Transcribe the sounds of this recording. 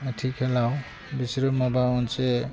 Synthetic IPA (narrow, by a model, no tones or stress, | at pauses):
tʰikhɛlaw | bisɾɔmabaɔnse